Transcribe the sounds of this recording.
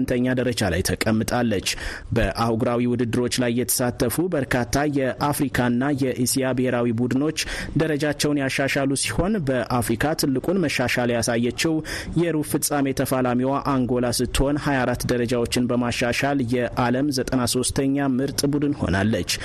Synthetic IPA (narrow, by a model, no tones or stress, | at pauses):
nt̪ʰəɲːad̪əɾəd͡ʒala̰jt̪ʰəkʼːəmːɨt̪ʼalːət͡ʃːbəʔahɡɾawiwʊd̪ɨd̪ːɨɾo̞t͡ʃːlajːɛt̪ʰə̥sat̪ʰːəfubəɾkʰat̪ʰːajɛʔafɾikʰaɨnːajɛʔisijabɨheɾawibud̪ɨno̞t͡ʃːd̪əɾəd͡ʒat͡ʃːɛwnjaʃːaʃalusi̥ho̞nbəʔafɾikʰat̪ʰɨlːɨkʼunməʃaʃaljasajːət͡ʃːɛwjɛɾufɨsʼame̞t̪ʰəfalamiwaʔaŋɡo̞lasɨt̪ʰːho̞nhajaɾat̪ːd̪əɾəd͡ʒawo̞t͡ʃːɪnbəmaʃːaʃaljɛʔaləmzət̪ʼənaso̞st̪ʰəɲːamɨɾt̪ʼbud̪ɨnho̞̰nalːət͡ʃː